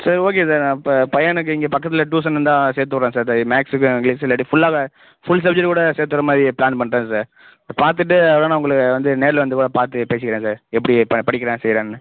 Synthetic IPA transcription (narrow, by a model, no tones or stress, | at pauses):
saːɾoːk̬eːsaːɾpːɐpɐjɐnɯk̬ːɯɪŋɡeːpɐkːɐt̪ːɪlɐʈ̬uːs̬ɐnɐnd̪ãːseːɾt̪̬ːɯkːɾẽːsaːɾtamaːksɯk̬ːɯ̃ŋɡlisɪlːɐʈifʊɭːaːɣɐ | fʊɭs̬ɐb̚d͡ʒɐʈkuːɽɐseːɾt̪ɯkɐɾɐmaːðɾipɪlaːnpɐɳːɾẽːsaːɾ | paːɾt̪ɯʈ̬ːɯɐɐɽaːnãːʊŋɡɐɭɯkːɯʋɐnd̪ɯneːɾlɐʋɐnd̪ɯkuːɽɐpaːɾt̪ɯpeːsɪkɪɾẽːsaːɾɛpːɐɽipɐpɐɽɪkːɾẽːsɛjɾẽːnːɯ